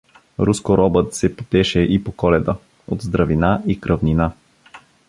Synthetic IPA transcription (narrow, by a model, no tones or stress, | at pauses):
ɾuskoɾɔbət̪sɛpo̥t̪ɛʃɛʔipokɔlɛd̪ə | od̪zd̪ɾɐvinaikɾʔɐvnina